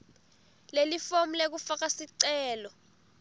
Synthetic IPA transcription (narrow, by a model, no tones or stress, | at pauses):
lelifom̩lek̬ufak̬asiǀɛːlɔ